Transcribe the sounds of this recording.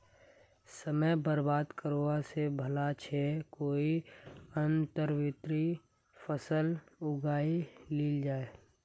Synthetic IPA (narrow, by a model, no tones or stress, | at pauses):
səməjbəɾbaːd̪kəɾoːasebʱəlat͡ʃʰekoːiənt̪əɾwɪt̪ɾi | fʰəsəlʊɡaːiliːld͡ʒaːeː